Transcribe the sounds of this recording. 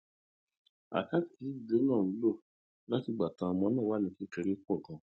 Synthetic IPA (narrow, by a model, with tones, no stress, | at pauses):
a̰˨ka˦ti˨ti˨˦˨de˨˦nãː˦˨˦lo˦˨ | la˦ti˧˨ɡ͡ba˨tã˧mɔ̃˧˦nãː˦˨wa˦nĩ˧ki˦ke˧ɾe˦kɔ˦˨ɡã˨